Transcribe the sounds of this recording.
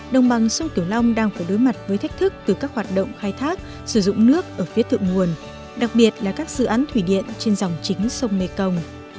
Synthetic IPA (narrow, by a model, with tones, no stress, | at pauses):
ɗə˨˩wŋ͡mɓa˨˩ŋsə˧ŋ͡mk̪i˧˩əwla˧wŋ͡mɗaː˧ŋfaː˧˩jɗo˨˦jma˨˩t̚vəː˨˦jt̪ʰa˦˥k̟̚t̪ʰɨ˦˥k̚t̪ɨ˨˩kaː˦˥k̚hwaː˨˩t̚ɗə̰˧˨wŋ͡mxaː˧jt̪ʰaː˦˥k̚ | sɨ˧˩zʊ̰˧˨ŋ͡mnɨ˦˥ək̚ʔəː˧˩fi˨˦ət̪ʰɨ̰˧˨ŋmu˨˩ən | ɗa˨˩k̚ɓi˨˩ət̚laː˨˩kaː˦˥k̚zɨ̰˧˨ʔaː˨˦nt̪ʰwi˧˩ɗḭ˧˨ənt͡ɕe˧nza˨˩wŋ͡mt͡ɕï˨˦ŋ̟sə˧wŋ͡mme˧˩kə˧wŋ͡m